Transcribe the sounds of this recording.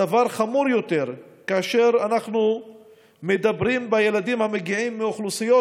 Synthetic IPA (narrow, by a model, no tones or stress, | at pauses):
avaʁχamuɾjo̞t̪e̞ʁ | kaːʃe̞ʁanaχnu | med̪abʁimbaje̞lad̪imhameɡiʕimːeoχlusijo